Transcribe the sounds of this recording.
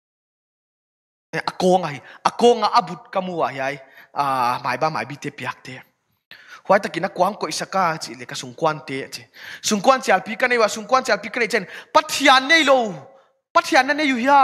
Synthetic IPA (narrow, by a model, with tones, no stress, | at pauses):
ɛ˨ʔa˨kɔ˦ŋa˨ɦi˨ʔɐ˨kɔ˦ŋa˨ʔa˦bu˨t̚ka˧mu˧a˨ɦi˧a˧ja˨˧ma̰˨jba˧ma̰˨jbi˦t̪ɛ˧pi˨a˨˩k̚t̪ɛ˦ | hu˨a˧˦jt̪a˨ki˨na˦kwa˨ha˦ŋkɔ˨jsa˧ka˧t͡si˨lɛ˨ka˧˦su˨ŋkwa˧nt̪ɛ˦a˨t͡si˨su˨ŋku˦a˦nt͡si˨a˨lpi˦ka˦ne˧˨jwa˨su˨ŋka˦nt͡si˧a˨lpi˦ka˦ne˧˨t͡sɛ˦˨npɐ˦t̪ʰi˧a˨nːe˦˧jlo˧˨w | pɐ˧t̪ʰi˧a˨nːa˦ne˧ju˧ɦi˦a˦